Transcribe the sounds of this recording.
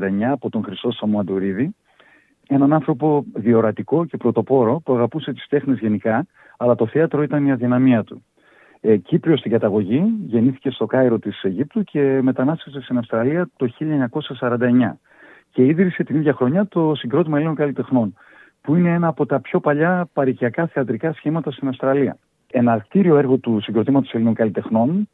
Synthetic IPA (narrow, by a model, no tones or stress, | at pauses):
d̪ɐeɲɐːpo̞t̪o̞ŋxɾist̪o̞sɐmuɐnd̪uɾiði | e̞nɐnɐnθɾo̞po̞ðio̞ɾɐt̪iko̞ce̞pɾo̞t̪o̞po̞ɾo̞puɐɣɐpuse̞t̪i̥st̪e̞xnizʝe̞nikɐ | ɐlɐt̪o̞θeɐt̪ɾo̞it̪ɐniɐðinɐmiɐt̪u | cipɾo̞st̪iŋɡɐt̪ɐɣo̞ʝiʝe̞niθi̥ce̞st̪o̞kɐiɾo̞t̪ise̞ʝip̚t̪ucʰe̞me̞t̪ɐnɐst̪ese̞st̪inɐfst̪ɾɐliɐt̪o̞çiʎɐeɲɐko̞sɐsɐɾɐnd̪ɐe̞ɲɐ̰ | ce̞iðɾise̞t̪iniðʝɐxɾo̞ɲɐt̪o̞siŋɡɾo̞t̪imɐelino̞ŋkɐlit̪e̞xno̞n | puine̞e̞nɐːpo̞t̪ɐpço̞pɐʎɐpɐɾiciɐkɐθeɐt̪ɾikɐsçimɐt̪ɐst̪inɐfst̪ɾɐliɐ̰ | e̞nɐkt̪iɾio̞e̞ɾɣo̞t̪usiŋɡɾo̞t̪imɐt̪o̞se̞lino̞ŋkɐlit̪e̞xno̞n